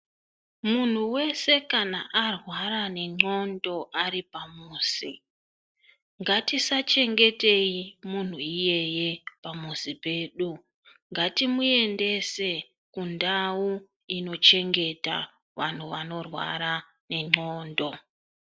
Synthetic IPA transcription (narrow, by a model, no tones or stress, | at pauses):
mun̤uwe̞se̞kana̰ʔarwaɾane̞ŋ͡ǃo̞ndo̞ʔaripamuːsi | ŋɡatisat͡ʃe̞ŋɡe̞te̞imun̤uije̞je̞pamuzipe̞ːɗu | ŋɡatimue̞nde̞se̞ | kundau | ino̞t͡ʃe̞ŋɡe̞ta̰ | ʋan̤uʋano̞rwa̰ɾa | ne̞ŋ͡ǃoːndo̞